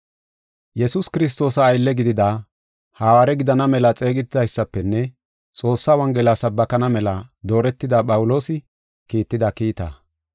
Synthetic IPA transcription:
jɛsʊskɪɾɪs̬t̪o̞ːsɐːjlːɛɡɪd̪ɪd̪a | haːwaːɾɛɡɪd̪ɐnɐmɛlɐt͡sʼe̞ːɡɪt̪ːɪd̪ɐjsːɐpːɛnːɛ | t͡sʼo̞ːsːawɐŋɡɛlasɐbːɐkɐnɐmɛlɐd̪o̞ːɾɛt̪ːɪd̪aːpʼɐwʊlo̞ːsɪ | kiːt̪ːɪd̪ɐkiːt̪ɐ̰

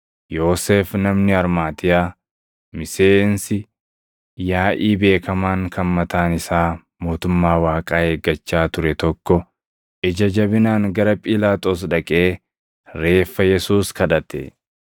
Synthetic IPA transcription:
jo̞ːseːfnɐmnɪɐɾmaːt̪ɪjaː | mɪse̞ːnsɪ | jaːʔiːbe̞ːkɐmaːŋkʰɐmmɐt̪aːnɪsaː | mo̞ːt̪ʊmːaːwaːkʼaːeːɡːɐt͡ʃːaːt̪ʊɾɛt̪ɔkːɔ | ʔɛd͡ʒɐd͡ʒɐbɪnaːŋɡɐɾɐpʼɪlaːt̪ʼoːs̬ᶑɐkʼe̞ː | ɾe̞ːfːɐjɛsuːskɐᶑɐt̪ɛ̰

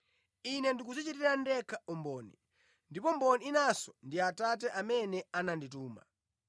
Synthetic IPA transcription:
inɛndik̬uzɛt͡ʃɛtɛɾandɛkʰaɔmbɔːni | ndipɔmbɔniinasɔndiatat̬ɛʔamɛnɛanandituːma̰

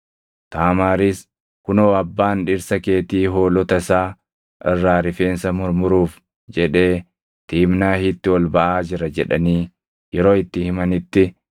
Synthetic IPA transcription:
t̪aːmaːɾɪs | kʊnɔɐbːaːnᶑɪɾsɐke̞ːt̪iːɦo̞ːlɔt̪ɐsaː | ʔɪrːaːɾɪfeːnsɐmʊɾmʊɾuːf | d͡ʒɛᶑe̞ː | t̪iːmnaːhɪt̪ːɪwɔlbɐʔaːd͡ʒɪɾɐd͡ʒɛᶑɐniː | jɛɾo̞ːɪt̪ːɪhɪmɐnɪt̪ːɪ

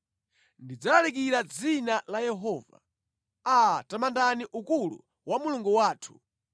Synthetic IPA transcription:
ndid͡zalalik̬iɾad͡zinalajɛɦɔːva̰ | atamandaniʔukulṵ | wamuluŋɡuwaːtʰu̥

